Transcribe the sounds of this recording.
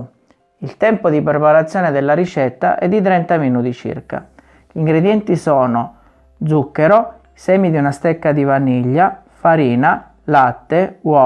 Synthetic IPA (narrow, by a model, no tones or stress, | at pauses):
ilt̪ɛmpod̪ipɾepaɾat̪sːjɔːned̪elːaɾit͡ʃɛt̪ːa̰ʔɛd̪ːit̪̬ɾɛnt̪aminuːt̪it͡ʃḭrka̰ | ʎiŋɡɾed̪jɛnt̪isɔːno | d̪zukːeɾo | isɛːmid̪iunast̪ɛkːad̪ivaniʎːa | faɾiːna | lat̪ːewɔ